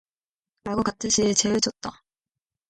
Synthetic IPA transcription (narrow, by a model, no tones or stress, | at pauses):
ɾaɡokatʰɯnɕʰit͡ɕe̞ed͡ʑʌt̚t͈a